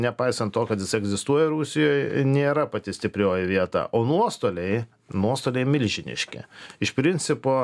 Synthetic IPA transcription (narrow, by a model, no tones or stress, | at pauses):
nʲɛpɐɪsɐnt̪t̪oːkɐt̪jɪsɪɛɡzʲɪst̪uɔjɛɾusʲɪjoːjnʲeːɾɐpɐt̪ʲɪsʲt̪ʲɪpʲɾʲoːjɪʋʲiɛt̪ɑ̰ːʔoːnuɔst̪oːlʲɛɪ | nuɔst̪oːlʲɛɪmʲɪlʲʒʲɪnʲɪ̰ʃʲkʲɛ̰ɪʃpʲɾʲɪnʲt͡ssʲɪpoː